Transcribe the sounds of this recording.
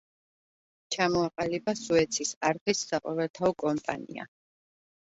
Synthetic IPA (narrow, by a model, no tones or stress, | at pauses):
t͡ʃʰamɔaqʼalibasuɛt̪sʰisaɾχisːaqʼɔvɛlˠt̪ʰaɔkʼɔmpʼa̰nḭa̰